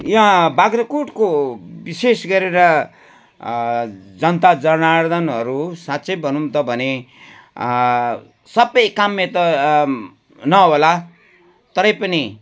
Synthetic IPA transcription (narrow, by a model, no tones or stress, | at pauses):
jãbaɡrʌkuʈkobisesɡʌɾeɾʌ | d͡zʌnt̪ad͡zʌnard̪ʌnɦʌɾusat̪ːt͡sʌjbʱʌnumt̪ʌbʱʌne | sʌbʌjkamːet̪ʌ | nʌɦola | t̪ʌɾʌ̃jpʌni